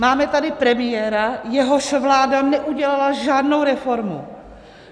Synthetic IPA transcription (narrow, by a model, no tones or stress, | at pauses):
maːmɛt̪adɪpɾɛmɪjɛːɾajɛɦoʃvlaːdanɛʔuɟɛlalaʒaːdno̞wɾɛfo̞ɾmṵ